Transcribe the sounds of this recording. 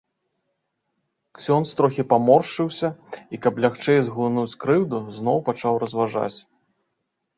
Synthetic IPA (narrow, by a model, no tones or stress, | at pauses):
ksʲɔnst̪ɾɔxʲipamɔrʂɨwsʲɐikɐplʲaxt͡ʂɛjzɣlˠɨnut͡sʲkɾɨwd̪uzn̪ɔwpat͡ʂawrɐzvaʐa̰t͡sʲ